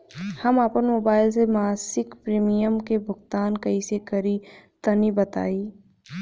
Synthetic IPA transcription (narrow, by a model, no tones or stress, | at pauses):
hɐmaːpənmoːbaːɪlsemaːsɪkpɾiːmijəmkebʱʊɡt̪aːnkɐisekɐɾit̪ɐnibɐt̪a̰ːiː